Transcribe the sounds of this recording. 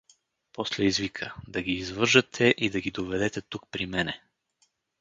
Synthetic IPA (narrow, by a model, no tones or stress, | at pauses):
pɔslɛizvikʰəd̪ɐɡiːzvɤɾʒɐt̪ʰɛʔid̪ɐɡid̪ovɛd̪ɛt̪ɛt̪uk̚pɾimɛnɛ